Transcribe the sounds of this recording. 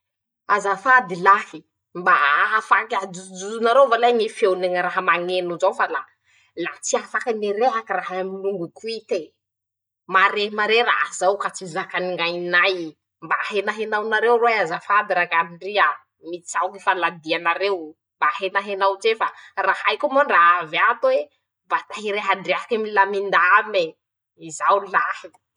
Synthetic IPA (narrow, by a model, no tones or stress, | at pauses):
azafad̪ilaki | mbaafakaud͡zuzunaɾewvalaŋifewneŋɾaɦamaŋenuzawfala | lat͡siafakaniɾeɦakiraɦaaminuŋɡukuit̪e | maɾeɦimaɾeɾa̰zawkat͡sizakaniŋajnaj | mbaɦenaɦenawnaɾewroazafad̪iɾakaniɳɖ͡ʐia | mit͡sisawkifalad̪ianaɾew | mbaɦenaɦenawt͡sefarahajkumoɳɖ͡ʐaavat̪we | bat̪aɦiɾeɦaɳɖ͡ʐeɦakamilamind̪aame | izawulahi̥